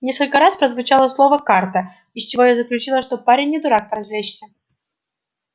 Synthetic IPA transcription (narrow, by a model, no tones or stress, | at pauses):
nʲeskəlʲkəɾaspɾəzvʊt͡ɕalˠəslˠo̞vəkart̪ə | ɪsʲt͡ɕɪvo̞jazəklʲʉt͡ɕilˠəʂt̪opaɾʲɪnʲːɪd̪ʊɾak̚pəɾɐzvlʲeɕsʲə